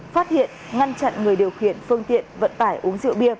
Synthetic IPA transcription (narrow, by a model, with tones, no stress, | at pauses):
faː˦˥t̚hḭ˧˨ənŋa˧nt͡ɕa̰˧˨nŋɨ˨˩əjɗi˨˩əwxḭ˧˩ənfɨ˧əŋt̪ḭ˧˨ənvə̰˧˨nt̪aː˧˩jʔu˨˦əŋzɨ̰˧˨əwɓi˧ə